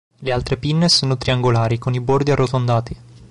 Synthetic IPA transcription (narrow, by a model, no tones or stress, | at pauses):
lealt̪ɾepinːesoːnot̪ɾiaŋɡolaːɾikonibord̪iarːot̪ond̪aːt̪i